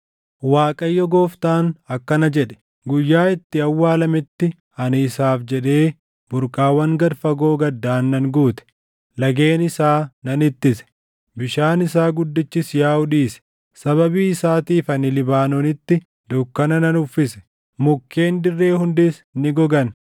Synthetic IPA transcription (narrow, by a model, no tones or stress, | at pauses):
waːkʼɐjːɔɡoːft̪aːnɐkːɐnɐd͡ʒɛᶑɛ̥ | ɡʊjːaːɪt̪ːɪɐwːaːlɐmɪt̪ːɪ | ɐnɪːsaːfd͡ʒɛᶑe̞ː | bʊɾkʼaːwɐŋɡɐɾfɐɡo̞ːɡɐd̪ːaːnːɐŋɡuːt̪ɛ̥ | lɐɡe̞ːnɪsaːnɐnɪt̪ːɪsɛ̥ | bɪʃaːnɪsaːɡʊd̪ːɪt͡ʃːɪsjaːʊᶑiːsɛ̥ | sɐβɐbiːɪsaːt̪iːfɐnɪlɪbaːnɔnɪt̪ːɪ | d̪ʊkːɐnɐnɐnʊfːɪsɛ̥ | mʊkːe̞ːnd̪ɪrːe̞ːhʊnd̪ɪsnɪɡɔɡɐn